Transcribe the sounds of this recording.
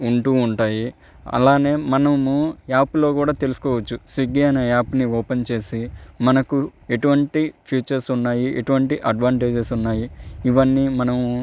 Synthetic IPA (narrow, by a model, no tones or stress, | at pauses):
uɳʈuːuɳʈaːji | ɐ̰laːne̞ːmɐnɐmuaːpulo̞ːkuːɽaːt̪e̞lusu̥kɔːʋɐt͡ʃːusiɡiɐnɐaːpuniɔːpent͡ʃe̞ːsimɐnɐkue̞ʈuʋɐɳʈipʰjuːt͡ʃɐɾsunːaːjieʈuʋɐɳʈiʔɐɖʋaːɳʈe̞ːd͡ʒesunːaːjiːʋɐnːiːmɐnɐmu